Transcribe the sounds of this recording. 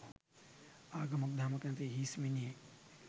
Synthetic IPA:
aːɡɐmuk̚d̪ʱaːmɐkɐnt̪eɦiːsmine

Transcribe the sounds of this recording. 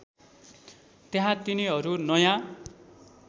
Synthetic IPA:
t̪eɦãt̪iniɦʌɾunʌjã

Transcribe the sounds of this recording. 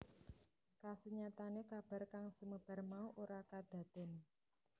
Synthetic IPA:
kasəɲat̪anekab̥a̤rkaŋsəməb̥a̤rmauʔoɾakad̪̥ä̤d̪̥ɪn

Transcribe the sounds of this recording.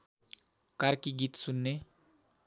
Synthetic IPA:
kaɾkiɡit̪sunːe

